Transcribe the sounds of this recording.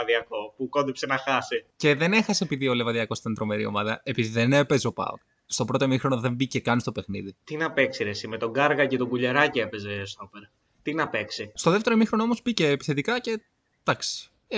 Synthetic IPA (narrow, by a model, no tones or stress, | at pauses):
ɐðiɐko̞puko̞nd̪ipsenɐxɐsice̞ðe̞ne̞xɐsepiðio̞levɐðiɐko̞st̪int̪ɾo̞me̞ɾio̞̰mɐðɐe̞piðiðenepe̞zo̞pɐ̰o | st̪opɾo̞t̪omixɾo̞noðe̞mbice̞kɐnist̪o̞pe̞xniðit̪inɐpe̞ksiɾesimet̪o̞ɡɐɾɣɐcet̪o̞ɡuʎeɾɐcie̞pe̞zest̪opeɾ | t̪inɐpe̞ksist̪o̞ðeft̪e̞ɾomixɾo̞noomo̞spice̞ːpiθe̞t̪ikɐce̞ | d̪̥ɐksi̥